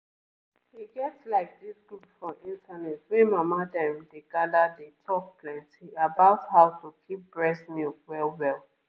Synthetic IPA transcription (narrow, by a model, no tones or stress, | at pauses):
hiɡɛtslaɪk̚disɡ̥ɹupfɹɔ̃mĩntʰanɛtwɛ̃nmamadɛ̃mdeɡadadetʰɔk̚pʰlɛ̃ntʰiabaʊthaʊtukʰip̚b̥ɹɛsnjukwɛlwɛlˠ